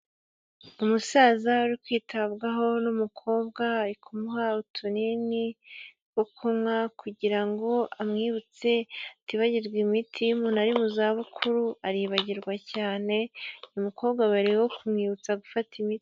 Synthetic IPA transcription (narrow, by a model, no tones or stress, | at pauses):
umusaːzauɾikwiːtʰaβɡaɦo̞numukʰo̞ːb̚ɡaikʰumuɦautʰunini | wokʰumŋakuɟiɾaŋɡo̞ʔamŋiːβut͡se̞tiβaɟiɾɡwimitʰimunaɾimuzaːβukʰuɾuaɾiβaɟiɾɡwacaːne̞umuko̞ːβɡaβaɾiwo̞kʰumŋiːβut͡saɡufatʰimiti̥